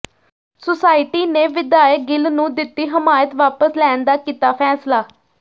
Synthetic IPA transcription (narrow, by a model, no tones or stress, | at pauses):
sʊsaːɪʈiːneːʋɪd̪aːjək̚ɡɪlnũːd̪ɪt̪ːiːɦəmaːjət̪ʋaːpəslɛːnd̪aːkiːt̪aːpʰɛːslaː